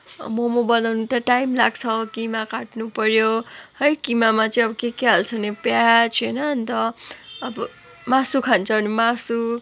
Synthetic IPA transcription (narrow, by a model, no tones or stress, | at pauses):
mʌmʌbʌnawnut̪aʈajmlaɡt͡sʰʌkimakaʈnupʌɾjohʌjkimamat͡sʌĩʌbʌkekeɦalt͡sʰʌnepjat͡sʰʌjnʌnt̪ʌːbʌ | masukʰant͡sʰʌnimasu